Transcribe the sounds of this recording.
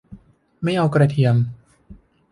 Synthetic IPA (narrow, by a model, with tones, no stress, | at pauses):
ma˥˩jʔa˧wkɾa˧t̪ʰi˧əm